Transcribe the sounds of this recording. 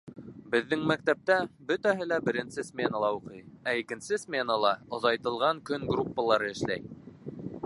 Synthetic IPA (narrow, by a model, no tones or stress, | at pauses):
bɘ̆ðːɘŋmæk̚t̪æp̚t̪æbɵt̪æɦɘlæbɘ̆ɾɘ̆nsɘsmʲenəlˠɑuqɤjæikɘ̆nsɘsmʲenəlˠɑŏðɑjt̪ɤ̆lˠʁɑŋkɵŋɡrupːalˠɑɾɤɘ̆ʃlæj